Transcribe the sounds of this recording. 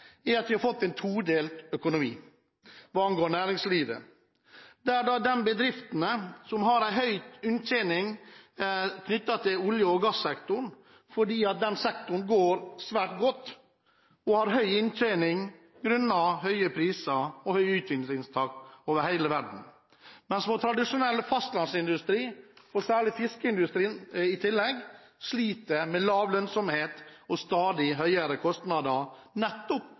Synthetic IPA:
æɑt̪ʋɪhɑɾfɔt̪ːɛnt̪ʰuːɖ̪eːlt̪œkʊnʊmiː | ʋɑːɑnɡoːɳæːɾɪŋsliːʋə̰ | d̪ɛæːɖɑd̪ɛnbəd̪ɾɪft̪n̩əsɔmhɑɾæɪɦœʏʉnt̪ʰeːnɪŋ | kʰnʏt̪ːɑt̪ʰɪlʊljəɔɡɑsːɛkt̪ʊɳ | fɔɖiːɑt̪̚d̪ɛnsɛkt̪ʊɳ̩ɡoːɾsʋæːʈɡɔt̪ː | ɔhɑɾɦœʏɪnt̪ʰeːnɪŋ | ɡɾʉnːɑɦœʏəpʰɾiːsəɔhœʏʉːt̪ʋɪnsɪŋst̪ʰɑːkoːʋəɾhæɪləʋæɖɳ̩ | mɛnsʋɔt̪ʰɾɑd̪ɪʂʊnɛlːəfɑst̪lɑnsɪnd̪ʉst̪ɾiːɔsæːɭɪfɪskəɪnd̪ʉst̪ɾiːnɪt̪ʰɪlːɛɡ | sliːt̪əɾmɛlɑːʋlœnsɔmheːt̪ɔst̪ɑːd̪ɪɦœʏəɾəkʰɔst̪nɑd̪ɑ | nɛt̪ːɔp

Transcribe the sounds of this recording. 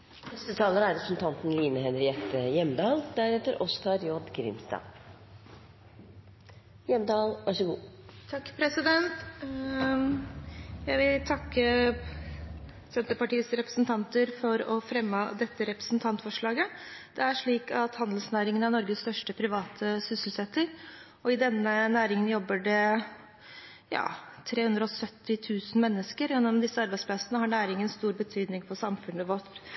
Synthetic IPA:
hɛst̪ət̪ʰɑːləɾæɾɛpɾəsn̩t̪ʰɑnt̪n̩liːnəɦɛnɾɪɛt̪ːəjɛmd̪ɑːld̪̥æɾɛt̪əɾʔɔst̪ʰɑɾjɔɖɡɾɪ̰mst̪ɑ̰ː | jɛmd̪ɑːlʋɑʂɔɡuːt̪ʰɑkːpʰɾɛsɪd̪ɛnt̪ | jæɪʋɪlt̪ʰɑkːə | sɛnt̪əpɑʈiːəsɾɛpɾə̥sn̩t̪ʰɑnt̪əɾfɔɾɔfɾɛmːəd̪ɛt̪ːəɾɛpɾə̥snt̪ʰɑnt̪fɔʂɭɑːɡəd̪̥ɛæʂɭiːkɑt̪hɑnd̪l̩snæːɾɪŋənɑænɔɾɡəst̪œʂʈəpʰɾɪʋɑːt̪ʰəsʏsl̩sɛt̪ːəɾ | ɔɪd̪ɛnːənæːɾɪŋənjɔbːəɖɛ | jɑ̰ːt̪ʰɾeːhʉnd̪ɾɔɔsœt̪ːɪt̪ʰʉːsn̩mɛnːəskəɾjɛnːɔmd̪ɪsːəɑɾbæɪspʰlɑsənəɦɑɳæːɾɪŋənst̪uːɾbət̪ʰyːd̪nɪŋpɔsɑmfʉnəʋɔʈ

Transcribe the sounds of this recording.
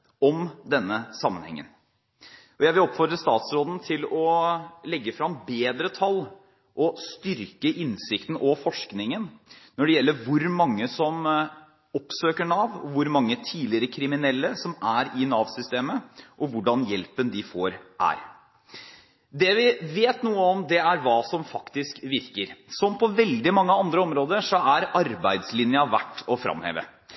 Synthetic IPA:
ɔmd̪ɛnːəsɑmːənhɛ̰ŋːə̰n | ʔɔjæɪʋɪlɔpfɔɾd̪ɾəst̪ɑːt̪sɾoːd̪n̩t̪ʰɪlɔlɛɡːəfɾɑmbeːd̪ɾət̪ʰɑl | ʔɔst̪ʏɾkəʔɪnsɪkt̪n̩ʔɔfɔʂknɪŋənnɔɖɛjɛlːəɾʋʊɾmɑŋːəsɔm | ɔpsøːkəɳɑːʋɔʋʊɾmɑŋːət̪ʰiːlɪɾəkʰɾɪmɪnɛlːəsɔmæɾɪnɑːʋsʏst̪eːməʔɔʋʊɖɑnjɛlpənd̪ɪfoːɾʔæ̰ːɾ | d̪ɛʋɪʋeːt̪nuːəɔmd̪ɛæɾʋɑːsɔmfɑkt̪ɪskʋɪɾkəɾsɔmːpʰɔʋɛld̪ɪmɑŋːəɑnd̪ɾəɔmɾoːd̪əʂɔæɾɑɾbæɪd̪slɪnjɑʋæ̰ʈːɔfɾɑ̰mhḛːʋə̰

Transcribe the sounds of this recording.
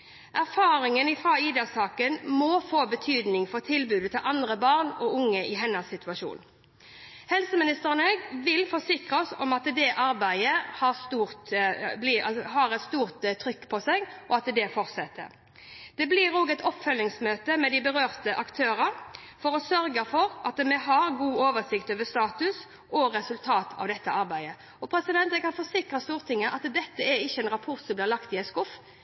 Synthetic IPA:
ʔæʁfɑːɾɪŋənɪfʁɑiːd̪ɛsɑːkənmɔːfoːbət̪ʰyːd̪nɪŋfɔʁt̪ʰɪlbʉːd̪ət̪ʰɪlʔɑnd̪ʁəbɑʁnɔʊŋːəʔɪɦɛnɑsːɪt̪ʰʉɑʃṵːn | hɛlsəmɪnɪst̪əʁənɛɡʋɪlfɔʁsɪkʁɑɔsɔmɑt̪d̪ɛʔɑɾbæɪəhɑʁst̪uːʁt̪blɪɑshɑʁɛt̪st̪uːʁt̪t̪ʰːʁʏkːpʰɔsɛɡʔɔɑt̪d̪ɛfɔɾt̪sɛt̪ːə̰ɾ | d̪̥ɛblɪɾnoːɡɛt̪ɔpːfœlnɪŋsmøːt̪əmɛd̪ɪbəɾøːʁt̪əʔɑkt̪ʰøːɾɑɾ | fɔɾɔsœɾɡəfɔɾʔɑt̪mɛɦɑɾɡuːoːʋəsɪkt̪øːʋəst̪ɑːt̪ʉs | ʔɔɾɛsʉlt̪ʰɑːt̪ʰɑ̰ʋd̪ɛt̪ːəʔɑɾbæɪd̪ə | ɔpʰɾɛsɪd̪ɛnt̪ɾɛɡhɑɾfɔsɪkʁɑst̪uːʁt̪ɪŋːəʔɑt̪d̪ɛt̪ːəɛɾɪçːəɛnɾɑpʰɔɾt̪sɔmblɪːʁlɑkt̪ɪɛskʊfː

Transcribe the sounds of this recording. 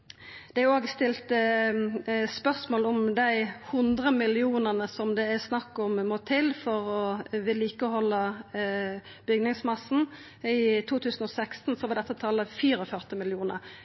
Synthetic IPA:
d̪̥ɛæɾjʊoːɡst̪ɪlt̪ | spœʁsmoːlɔmd̪æɪhʉnd̪ʁəmɪlɪuːnənəsɔmd̪ɛæsnɑkːɔmmoːt̪ʰɪlfɔʁɔʋɪlːiːkəɔhɔlːə | b̥ʏɡnɪŋsmɑsːn̩ | ɪt̪ʰuːt̪ʰʉːsən̩ɔsækst̪nsɔʋɑd̪ɛt̪ːət̪ʰɑːlːəfiːɾɔfœʁt̪ɪmɪlɪuːnə̰ɾ

